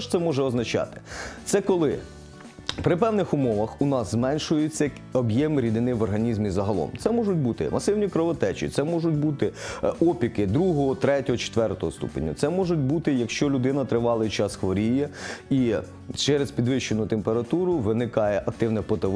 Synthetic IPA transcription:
ʃt̪sɛmɔʒɛɔznɐt͡ʃɑ̰t̪ɪ̥t̪sɛkɔlˠɪ | pɾɪpɛwnɪxʊmɔʋɐxʊnɑzzmɛnʲʃʊjɪt͡sʲːɐ | ɔbjɛmɾʲid̪ɪnɪʋɔrɦɐnʲizmʲizɐɦɐlˠɔ̰mt̪sɛmɔʒʊtʲbut̪ɪ̰mɐsɪwnʲikɾɔʋɔt̪ɛt͡ʃḭt̪sɛmɔʒʊtʲbut̪ɪɔpʲikɪd̪ɾuɦɔɦɔt̪ɾɛtʲɔɦɔt͡ʃe̥t̪ʋɛrt̪ɔɦɔst̪ṵpḛnʲːɐ̰t̪sɛmɔʒʊt̚ʲbut̪ɪjɐkʃt͡ʃɔlʲʊd̪ɪnɐt̪ɾɪʋɑlˠɐt͡ʃɑsxʋɔɾʲijɐi | t͡ʃɛɾespʲid̪ʋɪʃt͡ʃenʊt̪empeɾɐt̪uɾʊʋɪnɪkɑjɛʔɐk̚t̪ɪwnɛpɔt̪ɐʋ

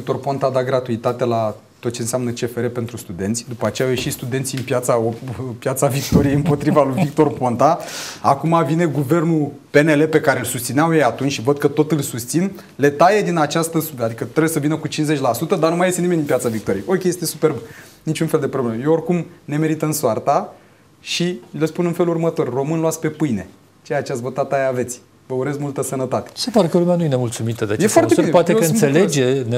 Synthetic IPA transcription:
ik̚t̪o̞rpo̞nt̪ad̪aɡɾat̪uit̪at̪ela | t̪ot̪̚t͡ʃe̞ɨnseamnət͡ʃe̞fe̞ɾepe̞nt̪ɾust̪ud̪ent̪sʲd̪upəat͡ʃeawje̞ʃit̪st̪ud̪e̞nsʲiɨnpjat̪saopjat̪savik̚t̪o̞ɾijejɨmpo̞t̪ɾivalujvik̚t̪o̞rpo̞nt̪aakumavine̞ɡuve̞rnu | pe̞ne̞le̞pe̞kaɾe̞lsust̪sineawjejat̪unt͡ʃʲʃivəd̪̚kət̪o̞t̪ɨlsust̪sin | le̞t̪ajed̪inat͡ʃast̪əsubad̪ikət̪ɾebujesəvinəkut͡ʃinsze̞t͡ʃʲlasut̪əd̪anumaje̞st̪enimed̪impʲijat̪savik̚t̪o̞ɾijeʔokʲeje̞st̪e̞supe̞rbunit͡ʃunfe̞ld̪e̞pɾoblemejeorkumne̞me̞ɾit̪əɨnsoart̪a | ʃilespunɨnfelurmət̪o̞rro̞mɨnloat̪sʲpe̞pɨjne̞ | t͡ʃejat͡ʃeavot̪att̪ːajeave̞t̪sʲ | vəuɾe̞zmult̪əsənət̪at̪e̥sepaɾekəlumeanujenemult̪sumit̪əd̪eajesfoartebiepoat̪ekəɨnseled͡ʒene

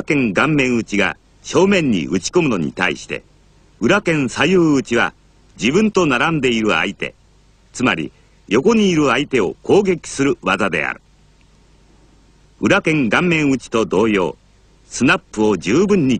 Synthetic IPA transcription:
kẽ̞ŋɡãmːẽ̞ɰ̃ɯt͡ɕiɡa̰ | ɕo̞ːmẽ̞ɲ̟ːḭʔɯ̟t͡ɕi̥ko̞mɯno̞ɲ̟ḭt̪aḭɕi̥t̪e̞̰ | ɯ̟ɾakẽ̞ɰ̃sajɯːɯt͡ɕiβa̰ | d͡ʑibɯ̟̃nt̪o̞naɾãnd̪e̞iɾɯ̟a̰it̪e̞̰ | t͡sɨmaɾʲḭ | jo̞ko̞ɲ̟iːɾɯ̟ait̪e̞o̞̰kʰo̞ːɡe̞kʲi̥sɨɾɯ̟βazad̪e̞̰a̰ɾɯ̟ | ɯ̟ɾakẽ̞ŋɡãmːẽ̞ɰ̃ɯ̟t͡ɕi̥t̪o̞d̪o̞ːjo̞̰ː | sɨnapːɯ̟o̞d͡ʑɨːbɯ̟̃ɲ̟ːi

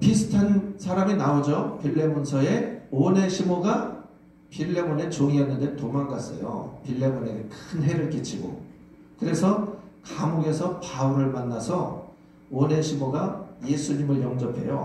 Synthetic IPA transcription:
pisʰɯ̥tʰansʰaɾaminaod͡ʑopʰiɭːe̞monsʰʌe̞one̞ɕʰimoɡa | pʰiɭːe̞mone̞t͡ɕoŋianːɯndentomaŋɡas͈ʌ̰jo̰pʰiɭːe̞mone̞ɡekʰɯnɦe̞ɾɯɭk͈it͡ɕʰiɡo̰ | kɯɾe̞sʰʌkamoɡe̞sʰʌpauɾɯɭmanːasʰʌ | one̞ɕʰimoɡaje̞sʰuɲimɯɭjʌŋd͡ʑʌpʰe̞̰jo̰

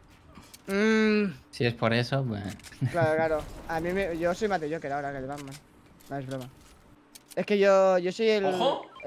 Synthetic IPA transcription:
siespoɾe̞sopwḛklaɾoklaɾoamĩmeʝoso̞jmat̪eʝokeɾaoɾakelβamman | maβezβɾoma | e̞skeʝoʝosojel

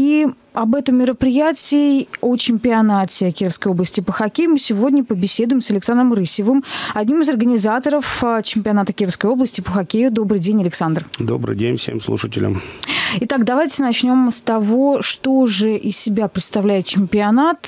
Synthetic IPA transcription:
i | ɐbɛt̪əmːʲɪɾəpɾʲɪjætʲɪːo̞t͡ɕɪmʲpʲɪɐnatʲɪkʲiɾəfskəjo̞blˠəsʲtʲɪpəxɐkʲejʊmɨsʲɪvo̞dʲnʲəpəbʲɪsʲe̞d̪ʊjɪmsəlʲɪksand̪rəmɾɨsʲɪvɨmɐd̪ʲnʲimɨzɐrɡənʲɪzat̪əɾəft͡ɕɪmʲpʲɪɐnat̪əkʲiɾəfskəjo̞blˠəsʲtʲɪpəxɐkʲejʊd̪o̞bɾɨjdʲenʲɐlʲɪksand̪rd̪o̞̰bɾɨ̰jdʲenʲfsʲḛmslˠṵʂətʲɪ̰lʲɪ̰mɪt̪akd̪ɐvajtʲɪnɐt͡ɕnʲo̞mst̪ɐvo̞ʂt̪oʐɨʔɪsʲsʲɪbʲapɾʲɪt̪st̪ɐvlʲæjɪt̪̚t͡ɕɪmʲpʲɪɐnat̪

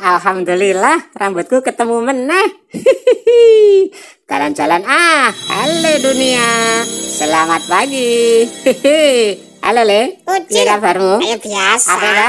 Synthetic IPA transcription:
ʔalɦamdulilahrambʊt̪̚kukət̪əmumənːah | t͡ʃa̰la̰nt͡ʃalanaa̰leduniasəlamat̪̚paɡi | a̰loleut͡ʃiɾabaɾubiasapaa

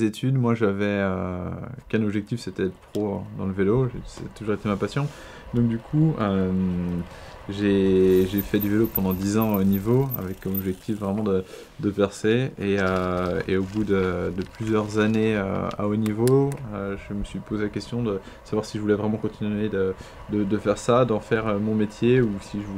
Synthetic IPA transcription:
zet̪ʰyd̪mwaʒavɛøkɛ̃nɔbʒɛk̚t̪ifset̪ɛt̪pχod̪ɑ̰̃ləveloʒest̪uʒuʁet̪emãpasjɔ̃ | d̪ɔ̃k̚d̪ykʰuøm | ʒeʒefɛd̪yvelopɑ̃d̪ɑ̃d̪izɑ̃aonivoa̰vɛkːɔmɔbʒɛk̚t̪ʰifvʁɛmɑ̃d̪ə | d̪əpɛʁseeøḛobud̪əd̪əplyzjœʁzaneø̰a̰onivoøʒəməsɥipozelakʲɛst̪jɔ̃d̪ə | əsavwaʁsiʒəvulɛvʁɛmɑ̃kɔ̃t̪ʰinɥed̪ə | d̪əd̪əfɛʁsad̪ɑ̃fɛʁømɔ̃met̪ʰjeusiʒəv

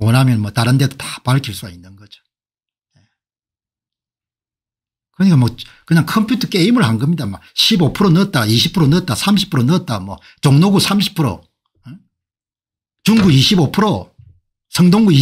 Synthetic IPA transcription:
ʌnɦamjʌnmwʌtaɾɯnde̞dotḁpaɭkʰiɭs͈uɡainːɯnɡʌd͡ʑo̥ | je | kɯɾʌɲik͈amwʌkɯɲaŋkʰʌmpʰjutʰʌk͈e̞imɯɭhanɡʌmɲidamaɕʰibopʰɯɾonɯʌt̚t͈aiɕʰipʰɯɾonɯʌt̚t͈asʰamɕʰi̥pʰɯɾonɯʌt̚t͈amwʌ | t͡ɕoŋnoɡusʰamɕʰi̥pʰɯɾo̰ | n | t͡ɕuŋɡuiɕʰibopʰɯɾo | sʰʌŋdoŋɡui

